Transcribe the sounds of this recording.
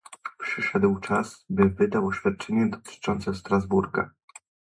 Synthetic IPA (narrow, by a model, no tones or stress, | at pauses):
pʂɘʂɛd̪wt͡ʂasbɘvɘd̪awɔɕfʲjat̪̚t͡ʂɛɲɛd̪ɔt̪ʰɘ̥t͡ʂɔnt̪sɛst̪ɾazbuɾɡa̰